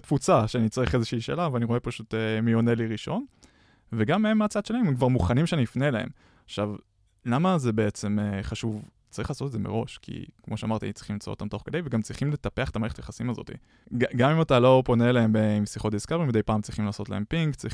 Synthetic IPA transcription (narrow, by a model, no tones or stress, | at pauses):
t̪fut͡saʃeanit͡saʁiχezeʃiːʃeːlaveaniʁo̞e̞paʃutemijoneliʁiʃo̞n | veɡamemːat͡sad̥̪ʃelaememkvaʁmuχanimʃeaniifnelaḛm | aχʃav | lamazebeet͡se̞meχaʃuv | t͡saʁiχlaːsotetdzemeʁo̞ʃkʰḭkmo̞ʃea̰maʁt̪ia̰imtt͡sʁiχimt͡so̰t̪amt̪o̞χkedejveɡamt͡sʁiχimle̞t̪ape̞aχe̥tamaʁeetajeχasimazo̞̰t̪ḭ | ɡɡamimatalo̞po̞nelaembemsiχot̪̚d̪iskaveimvdejpaːmt͡sʁiχimlaːso̞t̪la̰empiŋkt͡sʁi